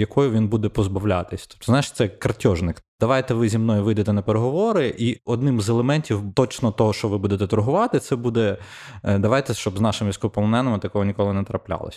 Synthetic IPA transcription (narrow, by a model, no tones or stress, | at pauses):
jɐkʰɔjʊʋʲinbud̪ɛpɔzbɐwlʲa̰t̪ɪsʲt̪ɔ̥pt̪ɔznajʃt̪sɛkɐrtʲɔʒnɪkd̪̥ɐʋɑjt̪ɛʋɪzʲimnɔjʊʋɪjd̪et̪ɛnɐpeɾeɦɔʋɔɾɪʔiɔd̪nɪmzɛlˠemɛnʲtʲiwt̪ɔt͡ʃnɔt̪ɔɦɔʃt͡ʃɔʋɪbud̪et̪ɛt̪ʊɾɦʊʋɑt̪ɪt̪sɛbud̪ɛ | d̪ɐʋɑjt̪ɛʃt͡ʃɔbznɑʃɪmʋʲisʲkɔpɔlˠɔnɛnɐmɪt̪ɐkɔɦɔnʲikɔlˠɪnɛt̪ɾɐplʲa̰lˠɔ̰sʲ